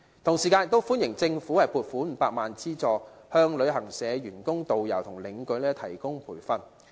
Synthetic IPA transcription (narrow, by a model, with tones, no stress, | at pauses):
t̪ʰʊ˨˩ŋsiː˨kaː˧njɪ˨kt̪o˥wfuː˥njɪ˨˩ŋt͡sɪ˧ŋfuː˨˥hɐ˨jpʰuː˧t̚fuː˨˥m̩ː˨˧paː˧k̚maː˨nt͡siː˥t͡sɔː˨˧hœː˧ŋlɵ˨˧ɥɦɐ˨˩ŋsɛː˨˧jɥyː˨˩nkʊ˥ŋt̪o˨wjɐ˨˩wt̪ʰʊ˨˩ŋlɪ˨˧ŋkɵ˨˧˥lɛː˥t̪ʰɐ˨˩jkʊ˥ŋpʰuː˨˩jfɐ˨n